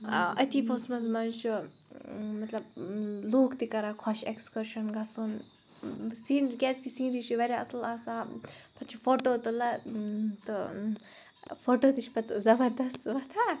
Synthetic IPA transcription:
ɐt̪ʰipʰosmɐnzmɐnt͡ʃʰu | mɐt̪lɐbluːkʰt̪ikɐɾaːkʰɔʃekskɐɾʃɐnɡɐsun | siːnɡʲɛt͡skisĩːnɾit͡ʃʰiʋɐɾʲjaːɐslaːsaːpʰɐt͡ʃʰifʰoːʈoːt̪ɨlɐt̪ɨ | fʰoːʈoːt̪it͡ʃʰpɐt̪zɐbɐɾd̪ɐst̪ʋɐt̪ʰaː

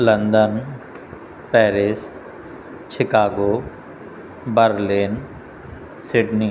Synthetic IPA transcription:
lɐ̃nd̪ən | pɛːɾɪs | t͡ʃʰɪkaːɡoː | bəɾliːn | sɪɖniː

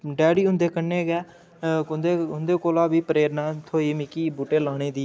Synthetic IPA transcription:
ɖɛːɽiːɦʊ̃nd̪eːkəneːɡɛː | nd̪eːɦʊnd̪eːkoːlaːbiːpəɾeːɾnãːt̪ʰoːiːmɪkiːbuːʈeːlaːɽ̃eːd̪iː

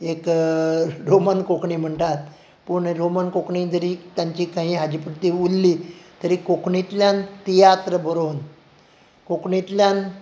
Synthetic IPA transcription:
ek | ɾomənkokɳiːm̤əɳʈ̪at̪̚ | puɳɾomənkokɳiːd͡zəɾiːt̪jaɲt͡ɕiːkãɦĩːɦad͡ʑipuʈt̪iulːiːt̪əɾiːkokɳit̪ljant̪ijat̪ɾəbəɾon | kokɳit̪ljan

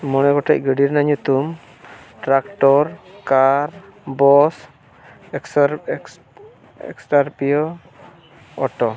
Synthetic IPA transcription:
mɔñɛɡɔʈʰac̚ɡəɖiɾnaɲut̪um | ʈɾakʈɔɾkaɾbɔs | ɛks | ɛ̰ksʈaɾpijɔ | ɔʈɔ

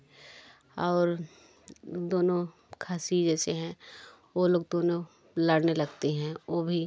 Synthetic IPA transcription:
ɔːɾ | d̪oːnõ | kʰaːsid͡ʒɛːseɦɛ̃ | oloːɡ̚d̪oːnõ | lɐɽnelɐɡt̪eɦɛ̃oːbʱi

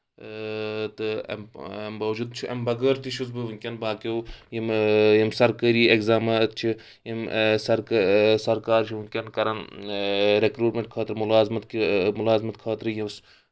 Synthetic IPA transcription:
t̪ɨ̰ | mbaːʋd͡ʒud̪t͡ʃʰiʔɐmbɐɡəɾt̪iʃʰuzbɨʋuŋkʲɐnbaːkewjimjimsɐɾkɐɾiːekzaːmɐt̪t͡ʃʰi | jimsɐɾksɐɾkaːɾt͡ʃʰiʋuŋkʲɐnkɐɾɐn | ɾekɾuːʈmʲeɳʈ̚kʰaːt̪ɾmulaːzmɐt̪kmulaːzmɐt̪kʰaːt̪ɾɨjims

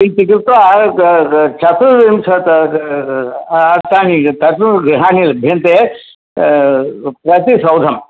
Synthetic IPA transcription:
it͡ʃik̬iɾt̪ʋa | t͡ʃɐt̪uʋimsɐt̪ | ɐɾt̪aːnit̪ɐʈuɡɾiɦaːnilbʱent̪e | pɾɐt̪isɐwd̪ʱɐm

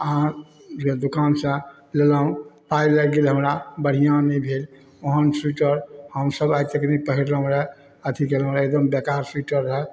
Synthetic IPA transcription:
əã | ed̪ukansə̃ | lelaũpailəɡelɦəmɾabəɽ̤ijãnəbʱel | oɦənsuʈəɾhəmsəbajt̪ekenɛipəɦiɾləũɾɛ | ət̪ʰikelə̃ɾed̪əmbekaɾsuʈəɾɦɛ

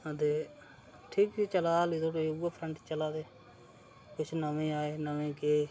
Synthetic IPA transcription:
əd̪eː | ʈʰiːksiːt͡ʃəlaːlit̪ʰoːʈeuːapʰɾəɳʈt͡ʃəlaːd̪eː | kʊt͡ʃʰnəmẽːaːeːnəʋẽːkeː

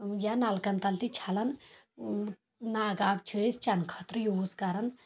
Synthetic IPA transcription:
janalkɐnt̪ɐlt̪it͡ʃʰalɐn | naːɡabt͡ʃʰəest͡ʃɐnkʰɐt̪ɾjoːskaɾɐn

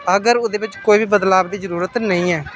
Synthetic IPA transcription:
əɡəɾʊd̪eːbɪt͡ʃkoːiːbiːbəd̪laːbd̪iːzəɾuːɾət̪nəĩːɛː

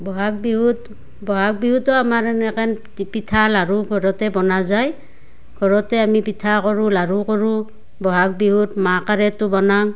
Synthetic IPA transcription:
bɔɦak̚biɦut | bɔɦak̚biɦutɔamaɹɛnɛkɛn | pitʰalaɹuɡʱɔɹɔtɛbɔnazaj | ɡʱɔɹɔtɛamipitʰakɔɹũlaɹukɔɹu | bɔɦak̚biɦutmakaɹɛtʊbɔnaŋ

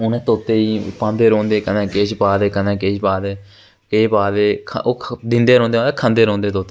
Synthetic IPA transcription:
ʊnɛ̃ːt̪oːt̪eːiːpãːnd̪eːɾõːnd̪eːkənɛ̃ːkeːt͡ʃpaːd̪eːkənɛ̃ːkeːʃbaːd̪eː | keːbaːd̪eːkʰoːd̪ɪ̃nd̪eːɾõːnd̪ẽːd̪ekʰə̃nd̪eːɾõːnd̪eːt̪oːt̪ːe

